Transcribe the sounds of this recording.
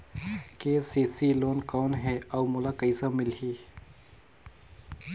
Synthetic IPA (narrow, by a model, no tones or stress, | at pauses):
kesiːsiloːnkɔːnɦɛawmʊlaːkəisamɪlɦiː